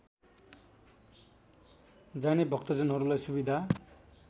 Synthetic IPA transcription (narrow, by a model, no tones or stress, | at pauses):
d͡zanebʱʌkt̪ʌd͡zʌnɦʌɾulajsubid̪ʱa